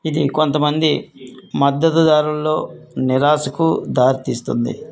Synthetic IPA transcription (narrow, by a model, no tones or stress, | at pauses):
id̪iko̞nt̪ɐmɐnd̪imɐd̪ːɐt̪ud̪aːɾulːo̞ːniɾaːsɐkud̪aːɾit̪iːst̪und̪ḭ